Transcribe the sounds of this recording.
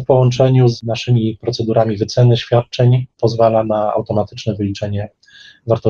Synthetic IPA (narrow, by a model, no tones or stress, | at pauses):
fpɔwɔnt͡ʂɛɲuznaʂɘmʲipɾɔt̪sɛd̪uɾamʲivɘt̪sɛnɘɕfʲjat̪̚t͡ʂɛɲpɔzvalanaa̰wt̪ɔmat̪ɘ̥t͡ʂnɛvɘlʲit͡ʂɛɲɛ | vaɾt̪ɔ